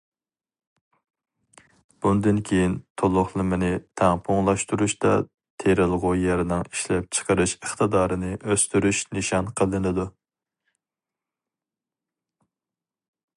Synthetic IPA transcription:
b̥und̪ɪnkʲʰejint̪ʰolˠʊχlˠɨmɪnɪt̪ʰæŋpʰoŋlˠɑʃt̪uɾuʃd̪ɑ | t̪ʰeɾɪlˠʁʊjɛɾnɪŋiʃlɛp̚t͡ʃʰə̥qəɾɨʃəχt̪əd̪ɑːɾɨnɨʔøst̪yɾyʃnɪʃɑnqʰəlˠɨnɨd̪u

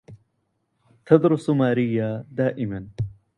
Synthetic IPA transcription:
t̪ʰad̪ɾʊsumaːɾijːaːd̪aːʔɪman

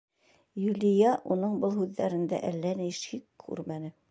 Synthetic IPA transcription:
jʉlʲɪ̆jɑʔunɤɴbɤlˠɦʉðːæɾɘ̆nd̪æ̰ʔælːænijʃikkʰːʉ̰ɾmænɘ

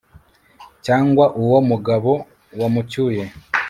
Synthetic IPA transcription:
caːŋɡwaʔuwomuɡaβo̞ | wamucuːje̞

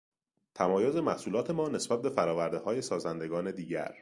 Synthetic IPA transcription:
t̪ʰæmɒːjoze̞mæhsuːlɒːt̪ʰe̞mɒːne̞sb̥æt̪̚be̞fæɾɒːvæɾd̪ehɒːje̞sɒːzænd̪e̞ɡɒːne̞d̪iːɟæ̰ɾ

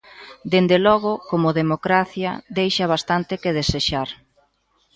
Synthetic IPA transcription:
d̪end̪elɔɣ̞ʊkomʊðemokɾaθjɐ̰d̪ejʃɐβ̞ast̪ant̪ɪkeð̞eseʃaɾ

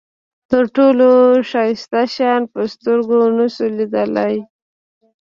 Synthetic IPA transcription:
t̪əɾʈoloʃɑjɪst̪aʃɑnpəst̪əɾɡonasulid̪əlaj

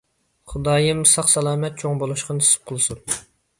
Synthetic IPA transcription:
χʊd̪ɑːjɨmsɑqsɛlˠɑːmɛt̪̚t͡ʃʰoŋbolˠuʃqɑnʰsɨ̥p̚qʰəlˠɨsun

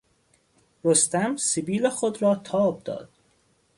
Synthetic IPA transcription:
ɾost̪æmsebiːlexod̪ɾɒːt̪ʰɒːb̚d̪ɒ̰ːd̪̥

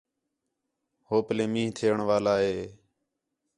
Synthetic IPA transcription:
hoːplẽːmĩːɦt̪ʰeːəɳʋaːlaːɦeː

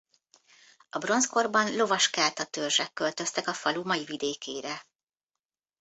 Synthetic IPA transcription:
ɒbro̞nsko̞rbɒnlo̞vɒʃkaːt̪ɒt̪ørʒɛkːø̞lt̪ø̞st̪ɛkɒfɒlumɒjivid̪eːkeːɾɛ

